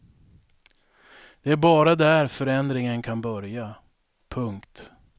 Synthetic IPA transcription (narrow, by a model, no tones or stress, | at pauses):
d̪̥ɛæɾbɑːɾad̪æɾfœɾɛnd̪ɾɪŋənkʰanbœɾja | pʰɵŋkt̪